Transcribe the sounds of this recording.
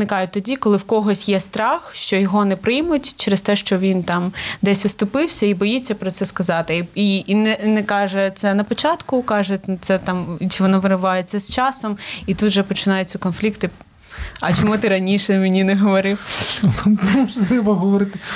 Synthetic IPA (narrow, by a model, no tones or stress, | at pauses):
nɪkɑjʊt̪ɔdʲikɔlˠɪwkɔɦɔsʲjɛst̪ɾɑxʃt͡ʃɔjɔɦɔnɛpɾɪjmʊtʲt͡ʃɛɾɪst̪ɛʃt͡ʃɔʋʲint̪ɑmd̪ɛsʲʊst̪ʊpɪwsʲɐibɔjit͡sʲːɐpɾɔt̪sɛskɐzɑt̪ɪinɛnɛkɑʒɛt̪sɛnɐpɔt͡ʃɑt̪kʊkɑʒɛt̪sɛt̪ɑmt͡ʃɪʋɔnɔʋɪɾɪʋɑjet͡sʲːɐst͡ʃɑsɔmit̪ut̪ʒɛpɔt͡ʃɪnɑjet͡sʲɐʊkɔnflʲikt̪ɪ | ɐt͡ʃɔmut̪ɪɾɐnʲiʃɛmenʲinɛɦɔʋɔɾɪw | t̪muʒt̪ɾɛbɐɦɔʋɔɾɪt̪ɪ